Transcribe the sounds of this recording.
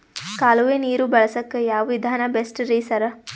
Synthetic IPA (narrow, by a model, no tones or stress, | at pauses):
kaːluʋeniːɾubɐɭɐsɐkːejaːʋʋid̪ʱaːnɐbesʈɾiːsɐɾɐ